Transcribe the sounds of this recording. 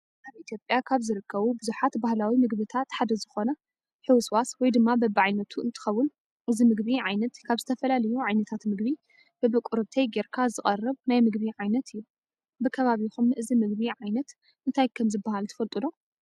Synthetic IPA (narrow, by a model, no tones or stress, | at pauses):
ʔaβʔit̪ʰjo̞pʼjakʰaβzɨɾɨkʰːɐβubɨzuħat̪bahlawimɨɡβɨt̪ʰat̪ħad̪ɐzɨxo̞nɐ | ħɨwɨswaswɔjd̪ɨmːabɐbɨʕajnɐt̪ʰuɨnt̪ʰɨ̥xɐwːʊn | ʔɨzimɨɡβiʕajnɐt̪kʰaβzɨt̪ʰɐfɐlalɐjuʕajnɐt̪ʰat̪mɨɡβi | b̥ɐbɨkʷʼuɾɨβt̪ʰejɡeɾkʰazɨχʼɐrːɨβnajmɨɡbiʕajnɐt̪ʰɨjːu | bɨkʰɐβaβixumɨʔɨzimɨɡ̚βiʕajnɐt̪ | ɨnt̪ʰajkʰɐmzɨbːahalt̪ʰɐ̥fɐlt̪ʼɨd̪o̞